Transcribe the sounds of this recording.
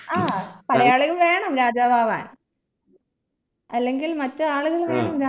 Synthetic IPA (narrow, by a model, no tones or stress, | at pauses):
aːpɐɽɐjaːɭuɣɐmʋeːɳɐmɾaːd͡ʑaːbʱaːʋa̰ːn | ɐlːeŋɡilmɐtːɨaːɭuɣɐɭʋeːɳɐmɾa